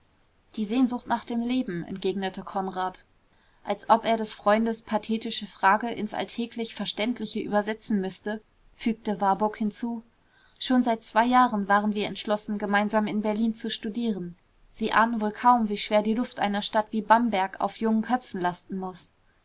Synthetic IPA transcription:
d̥iːzeːnzʊxtnaːχd̥eːmleːbm̩ɛ̰ntɡ̥eːɡnətʰəkʰɔnʁaːt | ʔalsʔɔpeːɐɾɛsfʁ̥ɔʏndəspʰatʰeːtɪʃəfʁ̥aːɡəʔɪ̰nsʔa̰ltʰɛːkʰlɪçfɛɐʃtɛntʰlɪçəʔy̰ːbɐzɛt͡sn̩mʏstə | fyːk̚təvaɐbʊɐkhɪnt͡suː | ʃoːnzaɪt̚t͡sv̥aɪjaːʁənvaːʁənviːɐɛ̰ntʃlɔsn̩ɡəmaɪnzaːmɪnbɛɐliːnt͡suʃtudiːʁən | z̥iːʔa̰ːnənvoːlkʰaʊmviːʃv̥eːɐdiːlʊftʔa̰ɪnɐʃtatv̥iːbambɛɐka̰ʊfjʊŋənkʰœp͡fn̩lastn̩mʊs

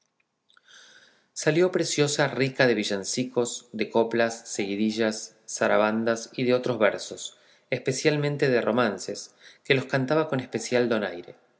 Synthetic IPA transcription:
saljo̞pɾesjo̞sarikaðe̞β̞iʒansiko̞sðe̞ko̞plasːeɣiðiʒasː | aɾaβ̞and̪asiðeo̞t̪ɾo̞zβeɾso̞s | espe̞sjalmẽnt̪e̞ðerʔo̞̰manseske̞lo̞skant̪aβako̞nespe̞sjald̪o̞najɾe̞̰

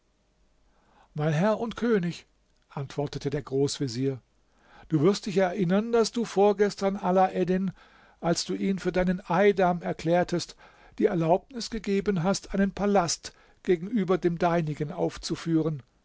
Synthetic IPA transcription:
maɪnɦɛɐʊntkʰøːnɪç | ʔantv̥ɔɐtətʰədeːɐɡʁoːsv̥iziːɐ | d̥uːvɪɐst̚d̥ɪçɛɐʔɪnɐnd̥asd̥uːfoːɐɡɛstɐnʔalaʔɛdɪn | ʔalsd̥uːʔiːnfyːɐdaɪnənʔaɪdamɛɐkʰl̥ɛːɐtʰəst | d̥iːɛɐlaʊp̚nɪsɡ̥əɡeːbənɦastʔaɪnənpʰalast | ɡ̥eːɡŋ̩ʔyːbɐdeːmdaɪnɪɡənʔa̰ʊft͡sufyːʁ̞ən

